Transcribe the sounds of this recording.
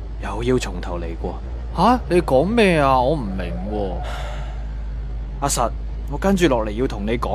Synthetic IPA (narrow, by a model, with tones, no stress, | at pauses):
jɐ˨˩wji˧wt͡sʰʊ˨˩ŋt̪ʰɐ˨˩wle˨˩jkʷɔː˧ | ha˨˥ne˨˧jkɔː˨˥ŋmɛː˥˧aː˧ŋɔː˨˧m̩˨˩mɪ˨˩ŋwwɔː˧ | aː˧sɐ˨t̚ | ŋɔː˨˧kɐ˥nt͡ʃyː˨˧lɔː˨k̚le˨˩ji˧wt̪ʰʊ˨˩ŋne˨˧jkɔː˨˦˥